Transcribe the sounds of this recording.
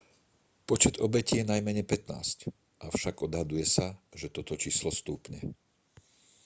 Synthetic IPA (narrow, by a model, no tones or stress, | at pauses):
pɔt͡ʃɛd̪ɔbɛcijɛnajmɛɲɛpɛt̪na̰ːsc | ʔafʃaɡɔd̪ɦad̪ujɛsaʒɛt̪ɔt̪ɔt͡ʃiːslɔst̪uːpɲɛ̰